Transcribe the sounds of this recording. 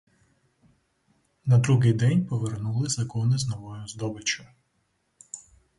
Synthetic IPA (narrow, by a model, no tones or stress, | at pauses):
nɐd̪ɾuɦɪjd̪ɛnʲpɔʋernulˠɪzɐkɔnɪznɔʋɔjʊzd̪ɔbɪt͡ʃʊ